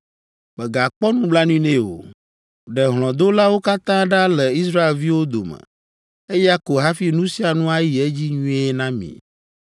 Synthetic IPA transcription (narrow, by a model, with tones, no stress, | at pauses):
k͡pɛ˨ɡa˨k͡pɔ˦nũ˦bla˦nũ˦ĩ˦nẽ˦o̰˨ | ɖɛ˨ɦl̃ɔ̃˨d̪o˦la˦wo˦ka˦t̪ã˦ɖã˦lɛ˨i˦sɾa˦e˨lvi˦wo˦d̪o˨mə̰̃˨ | e˦ja˦ko˨ɦa˦fi˦nũ˦si˦a˨nũ˦a˦ji˨e˦d͡ʑi˦ɲũ˦ɛ˦nã˦mḭ̃˨